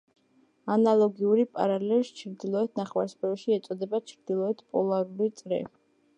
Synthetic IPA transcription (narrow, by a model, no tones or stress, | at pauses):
analˠɔɡiuɾipʼa̰ɾalɛʃt͡ʃʰɾd̪ilˠɔɛt̪ʰnaχwaɾsbɛʃiɛt̪sʼɔd̪ɛbat͡ʃʰɾd̪ilˠɔɛt̪ʰpʼɔ̰lˠaɾulit̪sʼɾɛ̰